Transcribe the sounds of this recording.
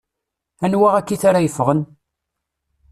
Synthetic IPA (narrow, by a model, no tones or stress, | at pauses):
ænwæʁækːiθaɾajəfʁən